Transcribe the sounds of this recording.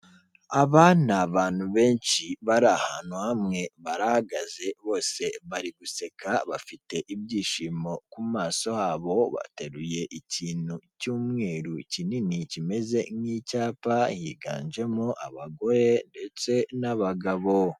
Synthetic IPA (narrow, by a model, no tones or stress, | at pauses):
aβaːnaβaːn̥huβe̞ːnʃiβaɾahanuhamŋe̞βaɾahaɡaze̞βo̞ːse̞βaɾiɡuse̞kʰaβafite̞ʔibɟiːʃiːmo̞kumaːso̞haːβo̞βa̰te̞ɾuje̞ʔiciːnhucuːmŋe̞ːɾucininicime̞ze̞ŋiːcaːpajḭɡa̰ːnd͡ʒe̞moʔa̰βaɡo̞ɾe̞nde̞t͡se̞naβaɡaβo̞